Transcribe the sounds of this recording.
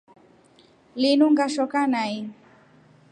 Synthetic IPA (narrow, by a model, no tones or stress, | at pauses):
linuŋɡaʃɔkanai